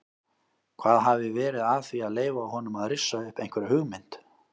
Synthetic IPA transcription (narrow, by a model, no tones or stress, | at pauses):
kʰvaːðɦavɪvɛːɾɪðaðθviaðleːjvaːwɦɔnʏmaðrɪsːaʏhpejn̥kvɛɾɪhʏɣmɪn̥t̪